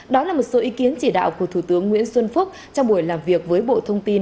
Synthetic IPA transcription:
ɗɔ˨˦laː˨˩mo˨˩t̚so˨˦ʔi˨˦ki˨˦ənt͡ɕi˧˩ɗa̰ː˧˨wku˧˩ət̪ʰu˧˩t̪ɨ˨˦əŋːwḭ˧˥ənswə˧nfʊ˦˥k͡p̚t͡ɕɔ˧wŋ͡mɓu˧˩əjlaː˨˩mvi˨˩ək̚vəː˨˦jɓo̰˧˨t̪ʰə˧wŋ͡mt̪i˧n

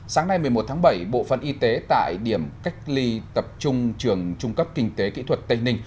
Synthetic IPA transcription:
saː˨˦ŋna˧jm˨˩əjmo˨˩t̚t̪ʰaː˨˦ɓə˧˩jɓo̰˧˨fə̰˧˨nʔi˧t̪e˨˦t̪a̰ː˧˨jɗi˧˩əmka˦˥jk̟̚li˧t̪ə˨˩p̚t͡ɕʊ˧ŋ͡mt͡ɕɨ˨˩əŋt͡ɕʊ˧ŋ͡mkə˦˥p̚kï˧ŋ̟t̪e˨˦kḭ˧˥t̪ʰwə˨˩t̚t̪ə˧jŋnï˧ŋ̟

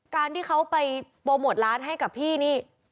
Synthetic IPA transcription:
kaː˧nt̪ʰiː˥˩kʰa˦˥wpa˧j | boː˧mo˨˩t̪̚ɾaː˦˥nɦa˥˩jka˨˩pʰːiː˥˩niː˦˥˩

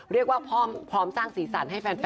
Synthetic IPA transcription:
ɾi˥˩ək̚waː˥˩pʰɔː˥˩mpʰɾɔː˦˥msaː˥˩ŋsiː˩˦sa˨˩˦nɦa˥˩jfɛː˧nf

